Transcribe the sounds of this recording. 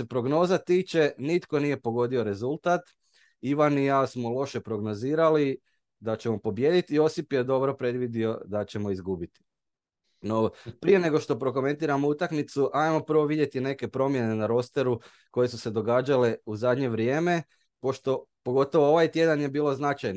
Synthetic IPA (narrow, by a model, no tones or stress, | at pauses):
sepɾo̞ɡno̞ːzat̪iːt͡ʃe̞nit̪ko̞nije̞po̞ɡo̞d̪io̞ɾe̞zulˠt̪at̪ | iʋanijasmo̞lˠo̞ʃe̞pɾo̞ɡno̞ziːɾali | d̪at͡ɕe̞mo̞po̞bje̞d̪it̪io̞sipje̞d̪o̞bɾo̞pɾe̞d̪ʋid̪io̞d̪at͡ɕe̞mo̞izɡubit̪i̥ | no̞pɾije̞ne̞ɡo̞ʃt̪o̞pɾo̞k̬o̞me̞nt̪iːɾamout̪akmit̪suʔajmo̞pəɾ̩ʋo̞ʋid̪je̞t̪ine̞ke̞pɾo̞mje̞ne̞naɾo̞st̪e̞ɾu | ko̞je̞suse̞d̪o̞ɡaːd͡ʒale̞uzad̪ɲe̞ʋɾjeːme̞ | po̞ʃt̪o̞po̞ɡo̞t̪o̞ʋooʋajt̪je̞d̪anje̞biːlˠo̞znat͡ʃajn